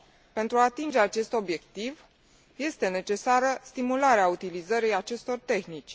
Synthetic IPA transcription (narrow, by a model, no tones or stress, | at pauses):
pe̞nt̪ɾuaːt̪ind͡ʒe̞at͡ʃe̞st̪o̞bje̞kt̪iv | je̞st̪e̞ne̞t͡ʃe̞saɾəst̪imulaɾeaut̪ilizəɾijat͡ʃe̞st̪o̞rt̪e̞xnit͡ʃʲ